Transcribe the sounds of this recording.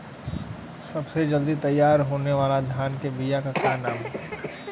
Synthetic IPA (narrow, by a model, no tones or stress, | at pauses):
sɐbsed͡ʒɐld̪it̪ɐjːaːɾɦoːneʋaːlad̪ʱjaːnkebijakakaːnaːmɦɛ